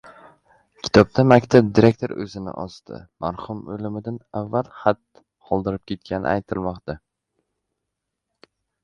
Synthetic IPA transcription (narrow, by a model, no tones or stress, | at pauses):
kʲʰɪ̥t̪ʰɒb̚d̪ʰamakʲt̪ʰab̚d̪iɾek̚ʲt̪ʰoɾɵ̰zɪnɪ̰ʔɒst̪ʰɪ̰maɾhʊmɵlɪmɪd̪anavːalˠχat̪̚ | qʰɒlˠd̪ɪɾɪp̚kʲe̞t̪̚kʲʰanɪ̰ʔajt̪ʰɪlˠmɒqt̪a